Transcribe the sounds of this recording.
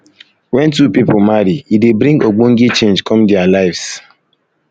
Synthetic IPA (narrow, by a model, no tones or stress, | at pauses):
wɛ̃ntupipʊmaɾiidebɾĩŋɡoɡ͡boŋ̩ɡet͡ʃẽnd͡ʒkʰɔ̃mdɛalaɪvs